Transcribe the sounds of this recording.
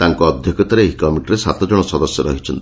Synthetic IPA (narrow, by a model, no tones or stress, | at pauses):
t̪aŋkɔːd̪ʱjɔkɔt̪aɾeeɦikɔmiʈɾesa̰t̪ɔd͡ʒɔɽ̃ɔsɔd̪ɔsjɔɾɔɦit͡ʃʰɔnt̪i